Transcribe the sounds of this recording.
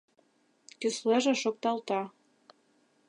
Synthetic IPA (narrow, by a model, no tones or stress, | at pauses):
kɘ̆sleʒĕʃok̚t̪ɑlt̪ɑ